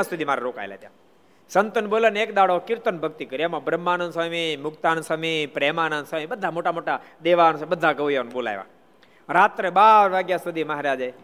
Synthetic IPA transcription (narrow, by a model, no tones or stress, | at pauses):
ãsud̪ʱimaɾeɾoka̰jla̰t̪jã | sənt̪ənboləneːkd̪aɽokɪɾt̪ənbʱəɡt̪ikəɾiamãbɾəmːanənsəmimʊkt̪ansəmipɾemanansəibəd̪ʱːamoʈamoʈa | d̪eʋansbəd̪ʱːaɡəʋjonbola̰jʋa̰ | ɾat̪ɾebaɾʋaɡjasud̪ʱiməɦɾad͡ʒa